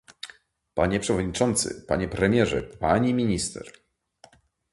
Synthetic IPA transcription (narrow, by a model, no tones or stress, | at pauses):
paɲɛpʂɛvɔd̪ɲit͡ʂɔnt̪sɘ̰pa̰ɲɛpɾɛmʲjɛʐɛ̰paɲimʲiɲist̪ɛ̰ɾ